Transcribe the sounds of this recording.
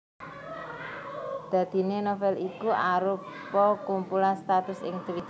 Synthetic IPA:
d̪̥ä̤d̪̥i̤nenofɛlikuʔaɾupː | ɔkumpulanst̪at̪ʊsɪ̰ŋd̪̥əwi

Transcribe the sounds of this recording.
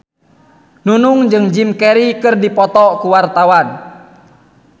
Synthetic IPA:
nunuŋd͡ʒɨŋd͡ʒimkɛɾikɨrdipɔt̪ɔkuwart̪awan

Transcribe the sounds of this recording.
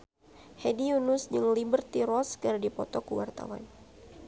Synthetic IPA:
hediunʊsd͡ʒɨŋlibərt̪iɾɔskɨrdipɔt̪ɔkuwart̪a̰wa̰n

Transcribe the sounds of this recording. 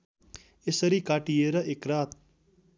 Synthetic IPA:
esəɾiːkaːʈieɾɐʔekɾaːt̪̚

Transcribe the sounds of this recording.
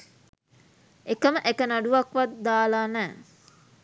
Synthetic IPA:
ekəməʔekənaɖuʋɐkʋat̪d̪aːlaːnɛː

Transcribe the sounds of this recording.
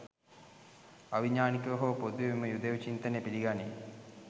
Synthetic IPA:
aʋiɲaːnikəɦoːpod̪ueməjud̪eʋt͡ʃint̪ənepiliɡane

